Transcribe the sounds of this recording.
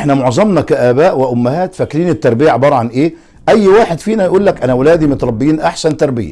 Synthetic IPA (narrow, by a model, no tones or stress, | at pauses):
ʔħnæmoʕzˤɑmnɑkæʔæːbæːʔwɪʔʊmːɪhæːt̪fækːɾiːnɪt̪ːɑɾˤbɪjaʕebɑːɾˤɑʕanʔeː | ʔæjːwaːħed̪fiːnæjʔuːlːækʔænæwlæːd̪imʊt̪ɾˤɑbːjiːnʔaħsænt̪ɑɾˤbɪ̰jæ̰